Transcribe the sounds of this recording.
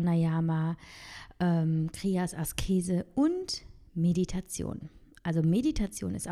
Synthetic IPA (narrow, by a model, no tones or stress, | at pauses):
najaːma | ʔɛːmkʁ̥iːasaskʰeːzəʔʊnt | meditʰat͡sjo̰ːn | ʔalzomeditʰat͡sjo̰ːnɪst